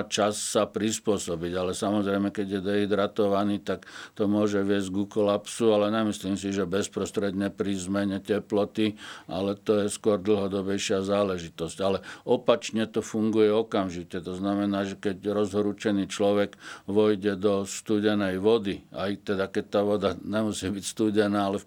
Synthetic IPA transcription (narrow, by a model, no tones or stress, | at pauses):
t͡ʃasːapɾispʊɔsɔbiɟalɛsamɔzɾɛjmɛkɛɟjɛd̪ɛɦid̪ɾat̪ɔʋaniːt̪akt̪ɔmʊɔʒɛʋɪɛzɟɡukɔlapsualɛɲɛmisliːmsiʒɛbɛspɾɔst̪ɾɛd̪ɲɛpɾiːzmɛɲɛcɛplɔt̪ia̰lɛt̪ɔjɛskʊɔɾd̪l̩ˠɦɔd̪ɔbɛjʃɪazaːlɛʒit̪ɔsɟ̥alɛɔpat͡ʃɲɛt̪ɔfuŋɡujɛɔkamʒicɛt̪ɔznamɛnaːʒɛkɛcɾɔzɦɔɾut͡ʃɛniːt͡ʃlɔʋɛɡʋɔjɟɛd̪ɔst̪uːɟɛnɛjʋɔd̪ia̰jt̪ɛd̪akɛc̚t̪aːʋɔd̪aɲɛmusiːbicst̪uːɟɛnaːalɛ